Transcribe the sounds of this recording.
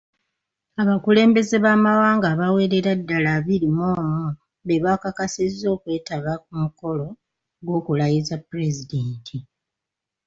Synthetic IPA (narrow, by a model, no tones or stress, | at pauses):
aβakule̞ːmbe̞ze̞βaːmawaːŋɡaːβawe̞ːɾeɾadːalaβiɾimoːmu | βeβakakasizːo̞ːkwe̞ːtaβak̚umuko̞lo̞ | ɡwo̞ːkulajizapuɾe̞zideːntʰi